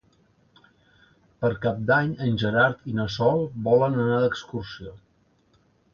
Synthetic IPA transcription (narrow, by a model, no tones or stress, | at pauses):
pəɾkap̚d̪aɲənʲʒəɾaɾt̪inəsɔlˠbɔlənənad̪əkskursio